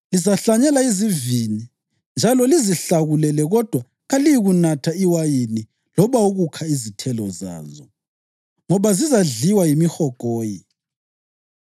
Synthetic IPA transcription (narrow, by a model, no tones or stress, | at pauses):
lizaɬaɲɛlaizivini | nd͡ʒʱalɔliziɬaɣulɛlɛɣɔd̥ʱwa | ɣalijiɣunatʰaiwajini | lɔβauɣukʰaizitʰɛlɔza̰ːzɔ̰ | ŋɔβazizaɮiwajimixɔɡ̥ʱɔːjḭ